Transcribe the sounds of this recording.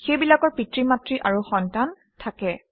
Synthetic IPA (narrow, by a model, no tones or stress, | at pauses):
xejbilakɔɹpitɹimatɹiʔaɹuxɔntan | tʰakɛ